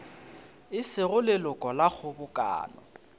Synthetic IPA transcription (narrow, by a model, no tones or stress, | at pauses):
ɪsɪɣʊlɪlʊkʼɔlaχʰʊbʊkʼa̰ːnɔ̰